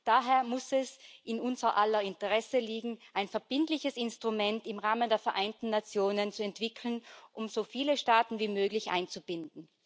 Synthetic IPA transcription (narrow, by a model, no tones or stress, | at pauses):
d̥aːɦeːɐmʊsɛsʔɪnʔʊnzɐʔalɐɪntəʁɛsəliːɡŋ̩ʔaɪnfɛɐb̥ɪntlɪçəsɪnstʁ̥ʊmɛntɪmʁaːməndeːɐfɛɐʔaɪntn̩ːat͡sjoːnənt͡suɛntv̥ɪkʰl̩nʔʊmzoːfiːləʃtaːtn̩viːmøːɡlɪçʔa̰ɪnt͡sub̥ɪndn̩